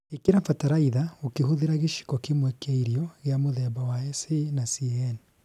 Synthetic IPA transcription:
ekeɾafataɾaiðaokeɦoðeɾaɣeʃi̥kɔkemwekaiɾiɔɣeamoðɛβawaɛsenasiɛn

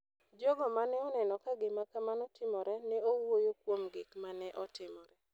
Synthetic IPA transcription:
d͡ʒɔɡɔmanɛɔnɛnɔkaɡɪmakamanɔtʰɪmɔɾɛnɛowojokwomɡɪkmanɛʔɔtɪmɔɾɛ

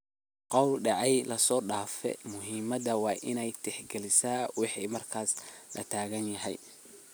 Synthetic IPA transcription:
qɑwlɖɑʕɑjlɐsɔːɖaːfɛ̰mʊɦiːmɐðɐwɑːʔɪnɛjt̪ʰɛħɡɛlɪsaːwɑħiːmɐrkʰaːslʔɐ̰t̪ʰaːɣɐnjɐɦɛ̰j

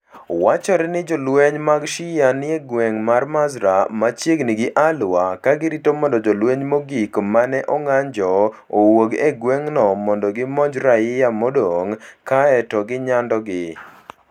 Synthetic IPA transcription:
wat͡ʃɔɾɛnɪd͡ʒɔlweɲmaɡʃɪjanɪeɡweŋmarmazɾamat͡ʃjeɡnɪɡɪʔalwakaɡɪɾitomɔndɔd͡ʒɔlweɲmoɡikmanɛʔɔŋaɲd͡ʒɔ | owoɡeɡweŋnɔmɔndɔɡɪmɔd͡ʒɾaɪjamɔdoŋkaɛtɔɡɪɲandɔɡɪ

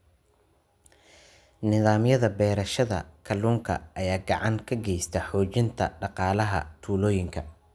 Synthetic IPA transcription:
nɪðaːmjɐðɐbɛːɾɐʃɐðɐ̰kʰɐluːŋkʰɐ̰ʔɐjaːɡɑʕɑŋkʰɐɡɛjst̪ʰɐħɔːt͡ʃɪnt̪ʰɐ̰ɖɑqɑːlɐɦɐ̰t̪ʰuːlɔːjɪŋkʰɐ

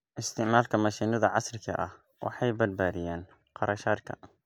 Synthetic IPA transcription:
ʔɪst̪ʰɪʕmaːlkʰɐmɐʃiːnɐðɐʕɑsrɪkʰɐ̰ʔɐh | wɑ̰ħɑjbɐd̪baːðɪjɛːn | qɑɾɐʃaːd̪kʰɐ̰

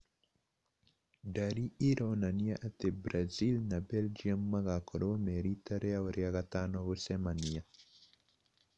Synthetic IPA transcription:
daɾiiɾɔnanijaʔat̪ɛbɾazilnabɛld͡ʒiamːaɣakɔɗomeɾit̪aɾeaɔɾjaɣat̪anɔβosɛmania

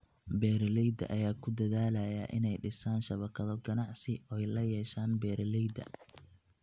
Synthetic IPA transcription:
bɛːɾlɛjd̪ɐ̰ʔɐjaːkʰʊd̪ɐðaːlɐjɐʔɪ̰nɛjɖɪsaːnʃɐβɐkʰɐðɐb̚ɡɐnɑʕsɪɔːɛjlɐjɛːʃaːnbɛːɾʔlɛjd̪ɐ̰

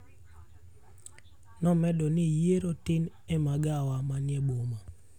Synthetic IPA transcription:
nɔmɛdɔnɪjeɾotɪn | emaɡawamanjɛboma

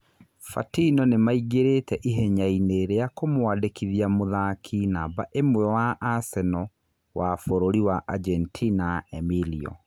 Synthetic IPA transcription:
fa̰tinɔnemaiɡeɾetɛʔiɦeɲaineːɾeakomowadekiðiamoðaːkʰinabaʔemwɛwaʔasɛnɔ | wafoɾoɾiwaʔad͡ʒɛntʰinaɛmiliɔ̰

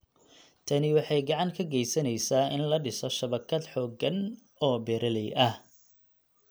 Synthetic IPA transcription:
t̪ʰɐnɪwɑħɑjɡɑʕɑŋkʰɐɡɛjsɐnɛjsaːʔɪnlɐɖɪsɔʃɐβɐkʰɐd̪ħɔːɡɐn | ɔːbɛːɾɐlɛjʔɐh

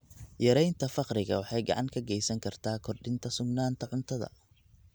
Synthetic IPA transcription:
jɐɾɛjnt̪ʰɐfɑqrɪɣɐ̰wɑħɑjɡɑ̰ʕɑŋkʰɐɡɛjsɐŋkʰɐrt̪ʰaːkʰɔrɖɪnt̪ʰɐsʊɡnaːnt̪ʰɐʕʊnt̪ʰɐðɐ̰

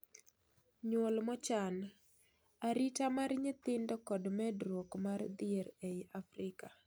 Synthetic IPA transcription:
ɲolmɔt͡ʃan | aɾɪtamarɲɪt̪ɪndɔkɔdmɛdɾokmard̪ɪeɾeafɾɪka

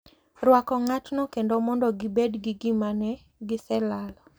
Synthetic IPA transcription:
rwakɔŋatnokendomɔndɔɡɪbedɡɪɡɪmanɛ | ɡɪsɛlalɔ

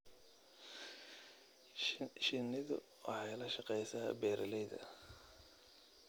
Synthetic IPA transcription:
ʃɪnɪðʊ̰ | wɑ̰ħɑjlɐʃɑqɛjsaːbɛːɾʔɐlɛjðɐ̰

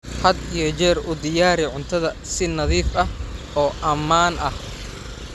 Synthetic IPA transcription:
ħɐd̪ijɞt͡ʃɛːrʊd̪ɪjaːɾɪʕʊnt̪ʰɐðɐ | sɪnɐðiːfɐh | ɔːʔɐmaːnʔɐh

